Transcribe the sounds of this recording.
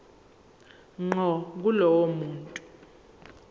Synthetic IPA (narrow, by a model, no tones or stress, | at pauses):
ŋ͡ǃɔk̬ulɔwomuːntʼu